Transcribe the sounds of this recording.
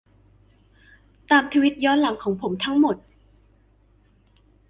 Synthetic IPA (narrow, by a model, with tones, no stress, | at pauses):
t̪aː˨˩mt̪ʰa˧wi˦˥t̪̚jɔː˦˥nla˨˦ŋkʰɔː˩˦ŋpʰo˩˦mt̪ʰa˦˥ŋmo˨˩t̪̚